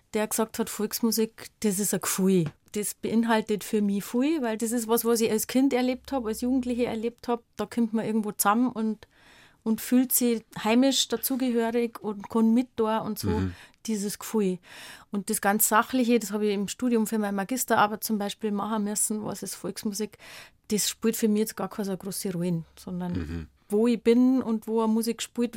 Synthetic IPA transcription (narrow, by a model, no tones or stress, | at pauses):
d̥eːɐksɑk̚thɐtfɔlksmuzɪkd̥esɪsəkfuɪd̥esb̥eʔɪnɦaltətfyːɐmifuɪvæɪldes̬ɪsʋɑsvɑsɪçalskʰɪntɛɐleːp̚thɑːbalsjuːɡŋ̩tlɪçəɛɐleːp̚thɑp̚d̥ɑːkʰɪmtmɐʔɪɐɡŋ̩tvoːt͡samənʔʊnt | ʔʊntfyːltsihaɪmɪʃd̥at͡suːɡəɦøːʁɪkʊnkʰɔnmɪt̚oɐʊntsoːd̥iːzəskfuɪʔʊnt̚d̥esɡ̥ant͡sːaχlɪçədeshɑːbiɪmʃtuːdjʊmfyɐmaɪmaɡɪstɐʔaːbət͡sʊmbaɪʃpiːlmɑhəmʏsn̩vɑ̰sɪsfɔlksmuzɪk | d̥esʃpuːɐtfyːɐmiçjɛt͡sɡ̥ɑːkʰasɡʁoːsiʁuinsɔndɐn | voːib̥ɪnʊntvoːəmuzɪkʃpuːt